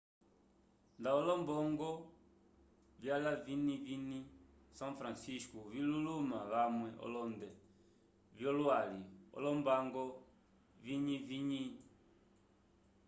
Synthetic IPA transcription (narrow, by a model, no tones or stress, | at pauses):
ndaɔlɔmbɔŋɡɔ | vjalavinivini | sãŋfɾansiskuvilulumaβamwɛʔɔ̰lɔndɛ | vjɔlwaliɔ̰lɔmbaŋɡɔ | viɲiviɲiɲi